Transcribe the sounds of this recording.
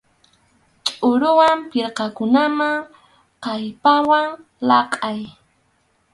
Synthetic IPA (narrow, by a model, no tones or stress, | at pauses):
t͡ʃʼʊɾʊwampɪɾqɑkʊnamaŋ | qɑjpawaŋ | lɑqʼaj